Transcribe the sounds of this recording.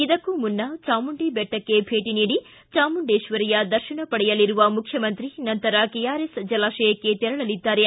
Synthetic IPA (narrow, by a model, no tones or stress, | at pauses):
id̪ɐkːumunːɐt͡ʃaːmuɳɖibɛʈːɐkːe̞bʱe̞ːʈiniːɽi | t͡ʃaːmuɳɖeːʃʋɐɾijɐd̪ɐɾʃiɳɐpɐɽɛjɐlːiɾuʋɐmukʰjɐmɐnt̪ɾinɐnt̪ɐɾɐkɛjaːɾesd͡ʒɐlaːʃɐjɐkːet̪iɾɐɭɐlid̪ːaːɾe